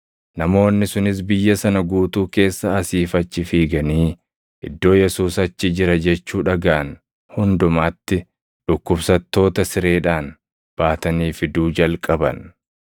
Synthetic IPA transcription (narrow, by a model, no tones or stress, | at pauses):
nɐmo̞ːnːɪsʊnɪs̬bɪjːɐsɐnɐɡuːt̪uːke̞ːsːɐːsiːfɐt͡ʃːɪfiːɡɐniː | ʔɪd̪ːo̞ːjɛsuːsɐt͡ʃːɪd͡ʒɪɾɐd͡ʒɛt͡ʃːuːᶑɐɡaːn | hʊnd̪ʊmaːt̪ːɪ | ᶑʊkːʊbsɐt̪ːo̞ːt̪ɐsɪɾe̞ːᶑaːn | b̥aːt̪ɐniːfɪd̪uːd͡ʒɐlkʼɐbɐ̰n